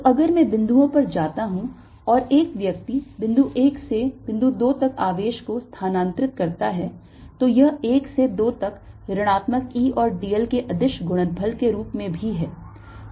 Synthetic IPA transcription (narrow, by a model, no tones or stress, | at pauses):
t̪oʔɐɡəɾmɛ̃ːbɪ̃nd̪ʱuõpɐɾd͡ʒaːt̪aɦũ | ɔːɾeːkʋjɐk̚t̪ibɪ̃nd̪uʔeːkseb̥ɪ̃nd̪ud̪oːt̪ɐkaːʋeːʃkost̪ʰaːnãːnt̪ɾɪt̪kɐɾt̪aɦɛ | t̪ojɐɦeːksed̪oːt̪ɐkɾɐɽ̃aːt̪məkiːɔːɾɖiːəlkeʔɐd̪ɪʃɡʊɽ̃ə̃npʰəlkeɾuːpmẽbʱiɦɛː